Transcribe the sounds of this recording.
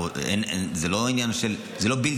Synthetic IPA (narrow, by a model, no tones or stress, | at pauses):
ḛnezeloinjanʃel | zelo̞bil